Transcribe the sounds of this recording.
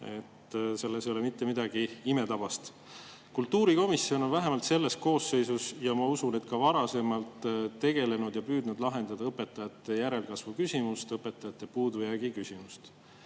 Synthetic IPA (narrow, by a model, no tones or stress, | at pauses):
e̞t̪ːse̞lːesjolemit̪ːe̞mid̪ɑɡ̥iime̞t̪ɑb̥ɑst̪ | kult̪ːˑuːɾiko̞misio̞no̞nvæɦe̞mɑlt̪se̞lːe̞st̪ko̞ːse̞jsusjɑmɑusune̞t̪̚kɑvɑɾɑse̞mɑlt̪ːe̞ɡ̥e̞le̞nud̪̥jɑpyːd̪nud̪̥lɑɦe̞nd̪ɑd̪ɑɤpːˑe̞t̪ːˑɑjɑt̪ːˑe̞jæɾe̞lkɑsvukysʲimust̪ɤpːˑe̞t̪ːˑɑjɑt̪ːˑe̞puːd̪ujæɡ̥ikysʲimust̪